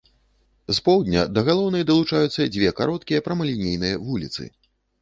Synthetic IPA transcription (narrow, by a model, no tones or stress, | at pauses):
zpɔwd̪ʲnʲɐ̰d̪ɐɣalˠɔwnɐjd̪ɐlˠut͡ʂajut̪sːɐd͡zʲvʲɛkaɾɔt̪̚kʲijɐpɾɐmɐlʲinʲejnɨjɐvulʲit̪sɨ̰